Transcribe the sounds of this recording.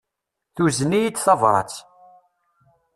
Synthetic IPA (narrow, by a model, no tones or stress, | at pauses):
θuznijit͡sːθɑvɾˤɑ̰t͡s